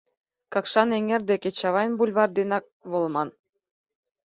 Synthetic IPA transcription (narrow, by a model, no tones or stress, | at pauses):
kɑkʃɑneŋerd̪ekʲet͡ɕɑβɑjnbulʲβɑrd̪enɑk̚βŏlˠmɑn